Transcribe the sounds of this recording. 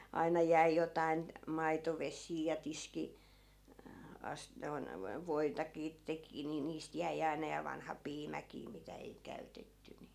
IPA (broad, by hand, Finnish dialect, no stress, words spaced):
ɑinɑ jæi jotɑin mɑitoʋesˑiː jɑ tiski ɑs noi̯n ʋo ʋoitɑkiː teki ni niːst jæi ɑinɑ jɑ ʋɑnhɑ piːmækiː mitæ ei kæytetːy ni